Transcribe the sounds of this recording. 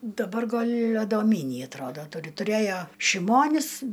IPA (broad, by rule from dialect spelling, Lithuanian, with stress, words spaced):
dɐˈbɐr ˈɡɐlʲ ɐdoːˈmʲiːnʲiː ɐtˈroːdoː ˈtʊrʲɪ tʊˈrʲeːjoː ʃʲɪˈmoːnʲɪs